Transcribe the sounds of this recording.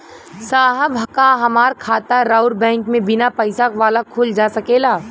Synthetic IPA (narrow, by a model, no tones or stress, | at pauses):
saːɦəbʱɐkaɦɐmaːɾkʰaːt̪aɾaːʊɾbɛ̃ːŋkmẽbɪnapɐɪsakʋaːlakʰuld͡ʒaːsɐkeːlaː